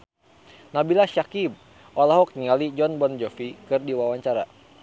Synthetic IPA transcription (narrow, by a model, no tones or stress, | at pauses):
nabilaʃakib̚ | ʔɔlaɦɔk̚ɲiŋalid͡ʒɔnbɔnd͡ʒɔfikɨrdiwawaɲt͡ʃaɾa̰